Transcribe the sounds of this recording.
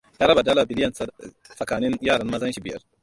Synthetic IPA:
jaː˦ɾɐ˦ba˨dɐ˦laː˨bɪ˦lɪ˦jɐ˨n | sʼɐ˨kaː˨nɪ˦njaː˦˨ɽɐ˦mmɐ˦zɐ˦nʃi˨bɪ˦jɐ̰˦r

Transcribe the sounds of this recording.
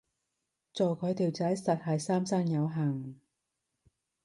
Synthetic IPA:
t͡sɔː˨˩wkʰɵ˨˧jt̪iː˨˩wt͡sɐ˨˥jsɐ˨t̚hɐ˨jsaː˥msaː˥ŋjɐ˨˧wɦaː˨˩ŋ

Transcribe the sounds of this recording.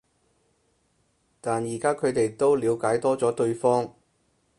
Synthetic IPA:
t̪aː˨njiː˨˩kaː˥kʰɵ˨˧ɥt̪e˨jt̪o˥wliː˨˧wkaː˨˥jt̪ɔː˥t͡sɔː˨˥t̪ɵ˧ɥfɔː˥ŋ

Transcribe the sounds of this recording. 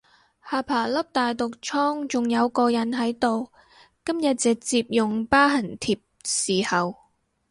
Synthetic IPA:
haː˨˧pʰaː˨˩lɐ˥p̚t̪aː˨jt̪ʊ˨k̚t͡sʰɔː˥ŋt͡sʊ˨ŋjɐ˨˧wkɔː˧jɐ˨˥nɦɐ˨˥jt̪o˨w | kɐ˥mjɐ˨t̚t͡sɛː˨k̚t͡siː˧p̚jʊ˨ŋpaː˥ɦɐ˨˩nt̪ʰiː˧p̚siː˨˩hɐ˨w

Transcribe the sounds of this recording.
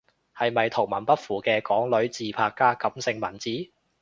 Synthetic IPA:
hɐ˨jmɐ˨jt̪ʰʊ˨˩ŋmɐ˨˩npɐ˥t̚fuː˨˩kɛː˧kɔː˨˥ŋlɵ˨˥ɥt͡siː˨pʰaː˧kːaː˥kɐ˨˥msɪ˧ŋmɐ˨˩nt͡siː˨˥

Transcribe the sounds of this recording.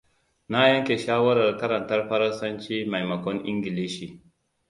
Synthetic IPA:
na˦jɐ˦ŋkʲe˨ʃaː˦wɐ˦ɾɐ˨rkɐ˦ɾɐ˨ntɐ˦rɸɐ˦ɾɐ˦nsɐ˦nt͡ʃiː˦ma˨jmɐ˨kɔ˦nʔɪ̰˦ŋɡʲi˨li˦ʃi˨

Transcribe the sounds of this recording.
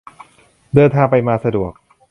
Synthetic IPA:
dɤː˧nt̪ʰaː˧ŋpa˧jmaː˧sa˧du˨˩ək̚

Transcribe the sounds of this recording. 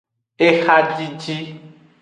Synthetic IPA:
ɪ˦xa˦t͡ɬʼi˦t͡ʃʼi˦

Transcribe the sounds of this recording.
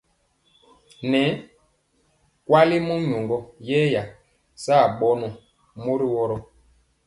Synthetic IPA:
nɛ˨˦ | kwa˦li˦mo˦ɲo˨ŋɡɔ˦jɛ˦ja˨ | sa˦˨ɓɔ˦nɔ˨ | mo˦ɾi˦wɔ˦ɾɔ˦

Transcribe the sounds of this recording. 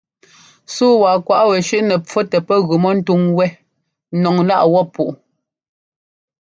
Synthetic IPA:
suː˦wa˨kwa˨ʔwɛ˨ʃʉ˦ʔnɛ˨p͡fɔ˦tɛ˨pɛ˦ɣʉ˨mɔ˦n̩˦tu˦ŋwɛ˦ | nɔ˨ŋla˦ʔwɔ˦pu˨ʔ

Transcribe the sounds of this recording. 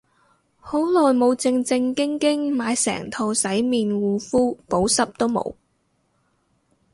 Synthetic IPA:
ho˨˥wlɔː˨jmo˨˧wt͡sɪ˧ŋt͡sɪ˧ŋkɪ˥ŋkɪ˥ŋmaː˨˧jsɛ̰ː˨˩ŋt̪ʰo˧wsɐ˨˥jmiː˨nwuː˨˧fuː˥po˨˥wsɐ˥p̚t̪o˥wmo̰˨˧w

